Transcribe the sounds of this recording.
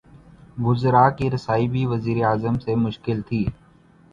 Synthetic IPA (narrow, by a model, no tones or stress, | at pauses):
ɡʊzɾaːkiːɾɪsaːibʱiːʋəziːɾeaːzəmsemʊʃkɪlt̪ʰiː